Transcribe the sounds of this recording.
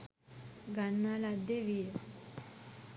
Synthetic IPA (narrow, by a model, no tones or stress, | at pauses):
ɡanːalad̪eʋiɾa